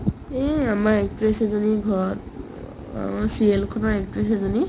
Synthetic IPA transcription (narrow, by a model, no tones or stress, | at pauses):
eamaekpɹesezɔniɡʱɔt | sielkʰɔnaekpɹes̬ezɔni